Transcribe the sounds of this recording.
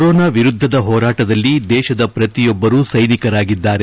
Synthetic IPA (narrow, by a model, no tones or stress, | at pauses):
ɾɔːnaːʋiɾud̪ʱːɐd̪ɐɦɔːɾaːʈɐd̪ɐlːid̪ɛːʃɐd̪ɐpɾɐt̪ijɔbːɐɾuːsɐjnikɐɾaːɡid̪ːaːɾe